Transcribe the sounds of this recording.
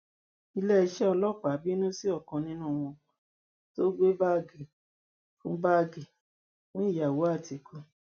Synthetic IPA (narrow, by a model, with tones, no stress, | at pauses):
i˧˦lɛ˦i˧ʃɛ˦ɔ˧lɔ˦˨k͡pa˨˦bi˦nũ˦si˦ɔ˦˨kɔ̃˧nĩ˦nũː˦˨w̃ɔ̃˧ | to˦ɡ͡be˦ba˦˨ɡi˨ | fũ˦ba˦˨ɡi˨ | fũ˦i˦˨ja˨wo˨˦a˦˨ti˨kʰo˧